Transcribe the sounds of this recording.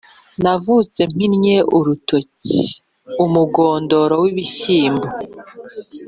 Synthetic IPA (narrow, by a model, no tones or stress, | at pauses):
navut͡se̞m̥inɲe̞ʔuɾutoci | umuɡoːndo̞ɾowiβiɕiːmbo